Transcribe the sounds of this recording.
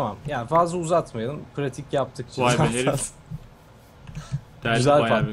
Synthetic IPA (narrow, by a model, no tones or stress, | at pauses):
t̪ʰamamjaːnifazlˠauzat̪majɐd̪ˠɯmpʰɾat̪ʰicjap̚t̪ʰɯk̚t͡ʃʰiaas | dyzælʲa